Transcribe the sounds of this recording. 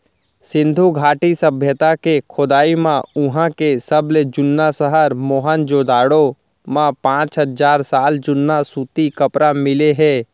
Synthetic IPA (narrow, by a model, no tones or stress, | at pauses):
sɪ̃nd̪ʱuɡʱaːʈisɐbʱjət̪akekʰʊd̪aːimãʊɦãkesəbled͡ʒʊnːasəɦəɾmoːɦənd͡ʒoːd̪aːɽo | mãpãːt͡ʃɦəd͡ʒaːɾsaːld͡ʒʊnːasuːt̪ikɐpɾamɪleɦɛ̃ː